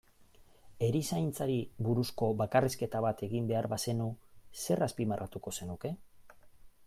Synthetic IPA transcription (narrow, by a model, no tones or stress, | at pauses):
e̞ɾisajnt͡saɾiβuɾusko̞βakariske̞t̪aβat̪e̞ɣimbe̞aɾβase̞nuse̞raspimarʔat̪uko̞se̞nuke̞